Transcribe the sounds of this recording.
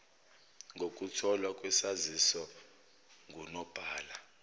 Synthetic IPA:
ŋɡʱok̬ʼutʰɔlwakʼwɛsazisɔ | ŋunɔb̥ʱaːla

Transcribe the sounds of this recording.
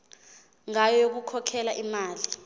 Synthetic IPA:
ŋajɔjok̬ukʰɔkʰɛlaʔimaːli

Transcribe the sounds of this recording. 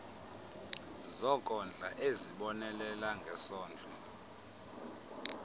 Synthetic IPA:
zɔkʼɔnd͡ɮʱaʔeziɓɔnɛlɛlaŋɡʱɛsɔːnd͡ɮʼɔ

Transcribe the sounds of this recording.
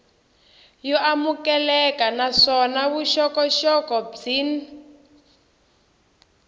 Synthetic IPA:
jɔamukɛlɛkanaʂɔnaβuʃɔkɔʃɔkɔb͡ʐin

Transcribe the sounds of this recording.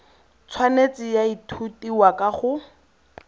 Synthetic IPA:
t͡sʰwanet͡sɪjaitʰutiwakʼaχʊ

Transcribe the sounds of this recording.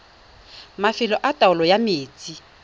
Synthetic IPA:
mafɪlɔʔatʼaʊlɔjameːt͡sʼi

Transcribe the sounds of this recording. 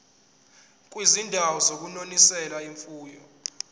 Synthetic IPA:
k̬ʼwizindʱawɔzok̬ʼunonisɛlaiɱfuːjɔ

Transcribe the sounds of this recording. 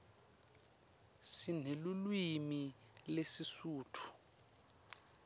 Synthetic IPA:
sinelulwimi | lesisuːtʰu̥

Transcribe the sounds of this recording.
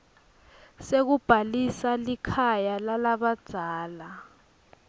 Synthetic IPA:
sek̬ub̥ʱalisalikʰajalalaɓad̥ʱaːla

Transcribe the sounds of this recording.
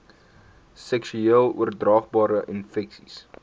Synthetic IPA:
sɛksyiəlˠṵərdrɑːχbɑːɾəʔinfɛksis

